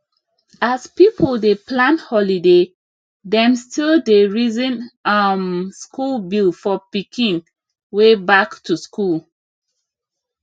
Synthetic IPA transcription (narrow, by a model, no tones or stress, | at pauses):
aspipʰəldeplãnhɔlide | dɛ̃mstildeɹizɛ̃nʌmskulbilfɔpikĩŋ | webaktʰuskul